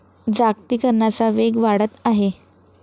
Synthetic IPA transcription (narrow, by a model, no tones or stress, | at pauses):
d͡zak̚t̪iːkəɾɳjat͡saʋeɡʋaɽət̪aɦe